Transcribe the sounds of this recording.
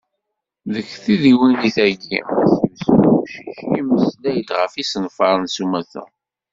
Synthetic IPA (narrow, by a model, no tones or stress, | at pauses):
ðəçθiðiwiniθæɡḭθiwsuʃiçiməslæjət̪ʁəfisənfɑɾˤənsumæθæ̰